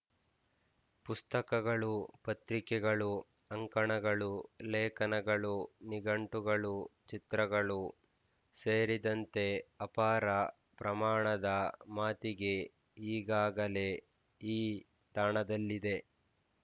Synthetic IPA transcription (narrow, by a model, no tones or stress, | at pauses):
pust̪ɐkɐɡɐɭupɐt̪ɾikɛɡɐɭu | ɐŋkɐɳɐɡɐɭuleːkɐnɐɡɐɭuniɡɐɳʈuɡɐɭut͡ʃit̪ɾɐɡɐɭu | seːɾid̪ɐnt̪e̞ɐpaːɾɐ | pɾɐmaːɳɐd̪ɐmaːt̪iɡe̞ | iːɡaːɡɐle̞ | iː | t̪aːɳɐd̪ɐlːid̪e̞